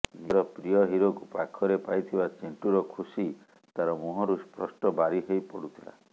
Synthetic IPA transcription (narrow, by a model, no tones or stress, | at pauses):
niɾɔpɾijɔɦiɾokupakʰɔɾepajt̪ʰibat͡ʃeɳʈuɾɔkʰusi | t̪aɾɔmuɦɔɾuspɾɔsʈɔbaɾiɦejpɔɽut̪ʰila̰